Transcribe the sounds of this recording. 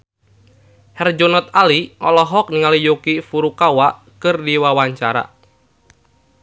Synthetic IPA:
hɛrd͡ʒonɔt̪̚aliʔɔ̰lɔɦɔk̚niŋalijokifuɾukawaʔ | kɨrdiwawaɲt͡ʃaɾa̰

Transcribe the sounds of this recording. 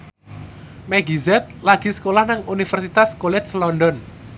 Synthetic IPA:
mɛɡizɛt̪̚laɡ̥isə̥kolahnaŋunifərsit̪askolɛslɔndɔn

